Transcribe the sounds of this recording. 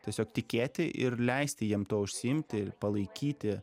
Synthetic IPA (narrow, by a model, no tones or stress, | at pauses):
t̪ʲiɛsʲoːk̚t̪ʲɪkʲeːt̪ʲɪʔɪɾlʲɛɪsʲt̪ʲɪjiɛmt̪oɔʊʃʲsʲɪɪmʲt̪ʲɪpɐlˠɐɪkʲiːt̪ʲɪ